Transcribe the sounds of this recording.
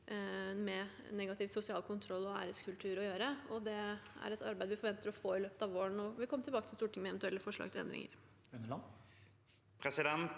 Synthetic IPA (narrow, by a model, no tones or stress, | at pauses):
mɛnɛɡɑt̪ʰɪːʋsʊsɪɑːlkʰʊnt̪ʰɾɔlːɔæ̰ːɾəskʰʉlt̪ʰʉːɾɔjøːɾəɔd̪ɛæ̰ɾɛt̪ʰɑɾbæɪd̪əʋɪfɔɾʋɛnt̪əɾɔfoːɪløːpə̥t̪ɑʋoːəɳɔʋɪkʰɔmːət̪ɪlbɑːkət̪ʰɪst̪uːʈʰɪŋəmɛnt̪ʉɛlːəfɔʂɭɑ̰ːɡt̪ʰɪlɛ̰nd̪ɾɪ̰ŋə̰ɾ | pʰɾɛsɪd̪ɛnt̪